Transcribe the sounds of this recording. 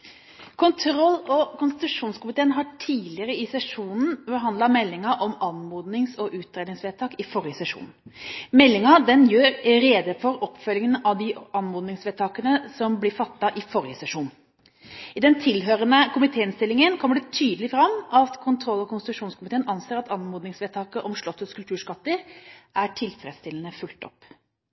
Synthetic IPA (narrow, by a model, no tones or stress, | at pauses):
kʰʊnt̪ʰɾɔlːɔkʊnst̪ɪt̪ʉʂuːnskʊmɪt̪ʰeːənɦɑʈʰiːlɪəɾəɪsɛʂuːnn̩bəɦɑnd̪lɑmɛlːɪŋɑʔɔmɑnmuːd̪nɪŋsɔʔʉːt̪̚d̪ɾeːd̪nɪŋsʋeːt̪ʰɑːkɪfɔɾɪəsɛʂṵːnmɛlːɪŋɑd̪ɛnjøːɾɾeːd̪əfɔɾɔpːfœlːɪŋənɑʋd̪ɪɑnmuːd̪nɪŋsʋeːt̪ʰɑːkənəsɔmblɪɾfɑt̪ːɑʔɪfɔɾɪəsɛʂuːn | ɪd̪ɛnt̪ʰɪlɦøːɾənəkʰʊmɪt̪ʰeːɪnst̪ɪlːɪŋənkʰɔməɖɛt̪ʰyːd̪əlɪfɾɑmːʔɑt̪kʰʊnt̪ʰɾɔlːɔkʰʊnst̪ɾʉʂuːnskʊmɪt̪ʰeːənʔɑnseːɾɑt̪ɑnmuːd̪nɪŋsʋeːt̪ʰɑːkəʔɔmʂɭɔt̪ːəskʉlt̪ʰʉːʂkɑt̪ːəɾʔæʈʰɪlfɾɛːd̪st̪ɪln̩əfʉlt̪ɔ̰pː